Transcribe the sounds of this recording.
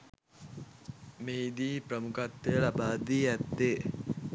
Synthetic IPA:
meːid̪iːpɾəmukat̪ːejəlabaːd̪iːæt̪ːe

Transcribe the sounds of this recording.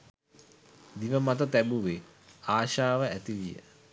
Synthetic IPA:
d̪iʋəmat̪ət̪æbuʋe | aːʃaːʋəæt̪iʋijə̰

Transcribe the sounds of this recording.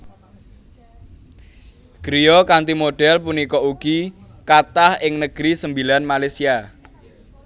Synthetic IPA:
ɡ̥ɾijɔkant̪imoɖ̥ɛlpunikɔuɡ̥i | kat̪ahɪŋnəɡ̥ɾisəmbilanmalasia

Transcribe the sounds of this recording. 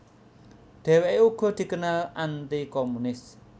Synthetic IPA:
d̪̥ɛ̤weʔeuɡ̥ɔ̤d̪̥i̤kənalant̪ikɔmunɪs

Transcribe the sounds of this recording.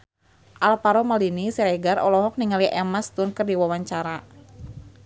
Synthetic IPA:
ʔalpaɾɔmalinisɛɾɛɡarɔ̰lɔɦɔk̚niŋaliʔɛmast̪unkərdiwawaɲt͡ʃaɾa

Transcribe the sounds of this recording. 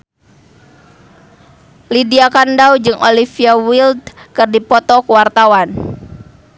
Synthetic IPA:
lidiakandaud͡ʒɨŋʔolifiawild̪kɨrdipɔt̪ɔkuwart̪awan

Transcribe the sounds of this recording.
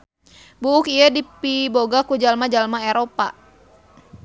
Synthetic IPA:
buʊkiədipiboɡakud͡ʒalmad͡ʒalmaeɾopa̰

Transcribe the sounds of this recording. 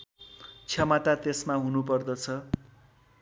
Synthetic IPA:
t͡sʰjʌmʌt̪at̪esmaɦunupʌrd̪ʌt͡sʰʌ

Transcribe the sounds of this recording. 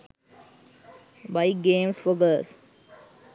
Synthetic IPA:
baɪɡẽːmfoɡəs

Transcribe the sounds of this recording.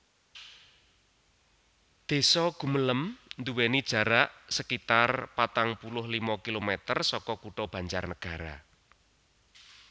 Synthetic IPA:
d̪̥e̤sɔɡ̥ṳmələmnd̪uwenid̥ʒ̥ä̤ɾaʔsəkit̪arpat̪aŋpulʊhlimɔkilomɛt̪ərsɔkɔkuʈɔb̥ä̤ɲt͡ʃarnəɡ̥a̤ɾa̰

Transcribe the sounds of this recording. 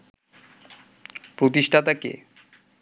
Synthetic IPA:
pɾot̪iʃʈʰat̪akḛ

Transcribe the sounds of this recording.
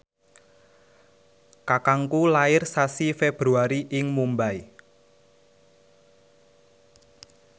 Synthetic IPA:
kakaŋkulaɪrsasifeb̥ɾuaɾiʔɪŋmumbai

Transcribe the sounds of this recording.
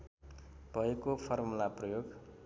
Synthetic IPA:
b̥ʱʌekopʰʌrmulaprʌjoɡ

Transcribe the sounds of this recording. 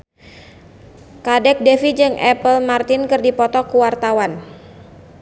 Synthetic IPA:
kadɛk̚dɛfid͡ʒɨŋʔɛpəlmart̪ɪnkɨrdipɔt̪ɔkuwart̪awan

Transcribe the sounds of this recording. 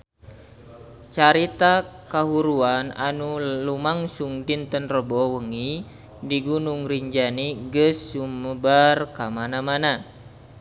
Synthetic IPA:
t͡ʃaɾit̪akaɦuɾuana̰nulumaŋsuŋdint̪ənrəbɔwəŋi | diɡunuŋriɲd͡ʒaniɡəsːuməbarkamanamana

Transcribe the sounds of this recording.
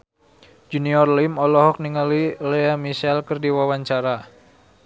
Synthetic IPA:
d͡ʒuniɔrlimɔlɔɦɔk̚niŋalileamisɛlkərdiwawaɲt͡ʃaɾa

